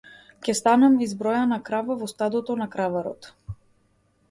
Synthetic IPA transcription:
cʲɛst̪anamizbɾɔjanakɾavavɔst̪ad̪ɔt̪ɔnakɾavaɾɔ̰t̪

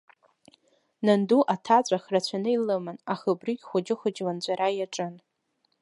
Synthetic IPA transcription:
nanduʔatʰat͡ɕʷʼaχrat͡ɕʷʰanɨilɨmanaχɨbriɡʲχʷʊd͡ʒɪχʷʊd͡ʒland͡ʑʷaɾajaʈ͡ʂʼɨn

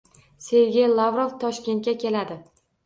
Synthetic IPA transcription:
se̞jɡʲejlˠavɾoft̪ʰɒʃkʲe̞nt̪kʲakʲʰe̞lad̪ɪ

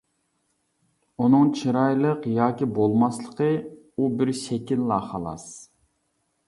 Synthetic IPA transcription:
unɨŋt͡ʃʰiɾɑjlˠəqjɑːkʲibolˠmɑslˠəqʰə | ubɪɾsɛkʲilːɑːχɑlˠɑ̰s

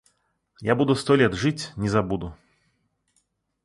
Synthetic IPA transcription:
jabud̪ʊst̪ɔlʲet̪ʐɨtʲnʲɪzɐbud̪ʊ

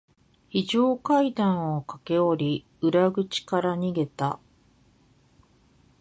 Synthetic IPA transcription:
çiʑoːkaid̪ãɰ̃o̞kake̞oɾʲi | ɯ̟ɾaɡɯ̟t͡ɕi̥kaɾaɲ̟iɡe̞t̪a̰

